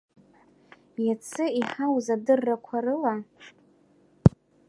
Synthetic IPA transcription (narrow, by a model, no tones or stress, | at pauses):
jat͡sʰɨiħawzadɨrːakʷʰaɾɨla